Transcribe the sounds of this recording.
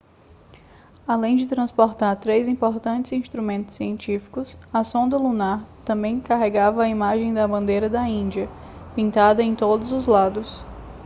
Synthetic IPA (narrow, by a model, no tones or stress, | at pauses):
alẽj̃d͡ʒɪt̪ɾɐ̃spoɾt̪aɾt̪ɾejzĩmpoɾt̪ɐ̃nt͡ʃɪzĩst̪ɾumẽnt̪ʊ̥sːiẽnt͡ʃifi̥kʊsɐsõnd̪ɐlunaɾt̪ɐ̃mbẽj̃kaɦeɡavɐːimaʒẽj̃d̪ɐbɐ̃nd̪ejɾɐd̪ɐĩnd͡ʒiɐ | pĩnt̪ad̪ɐẽj̃t̪od̪ʊzʊzlad̪ʊs